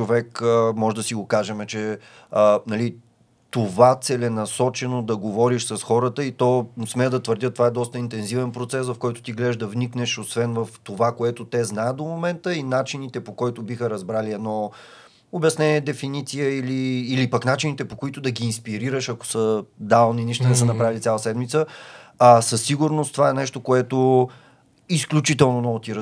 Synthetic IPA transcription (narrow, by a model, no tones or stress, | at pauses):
ovɛkəmɔʒɛd̪ɐsiɡokaʒɛmɛt͡ʃɛ | ənɐli | t̪ovat̪sɛlɛnɐsɔt͡ʃɛnod̪ɐɡovɔɾiʃsɐsxɔɾət̪əit̪ɔsmɛd̪ɐt̪vəɾd̪ʲət̪ovaɛd̪ɔst̪əint̪ɛnzivɛnpɾot̪sɛsvɐfkɔjt̪o̥t̪iɡlɛʒd̪ɐvniknɛʃosvɛnvɐft̪ovakoɛt̪ot̪ɛznajət̪̚d̪omomɛnt̪əinat͡ʃinit̪ɛpokɔjt̪obixəɾɐzbɾaliɛd̪nɔ | objɛɐsnɛnʲiɛd̪ɛfinit̪sijəiliːlipaknat͡ʃinit̪ɛpokoit̪od̪ɐɡiːnspiɾiɾəʃɐko̥səd̪alˠniniʃt̪onɛsənɐpɾavilisʲalˠəsɛd̪mit̪səasəsːiɡuɾnost̪ovaɛnɛʃt̪okoɛt̪o | isklʲut͡ʃit̪ɛlˠnonɔvot̪iɾ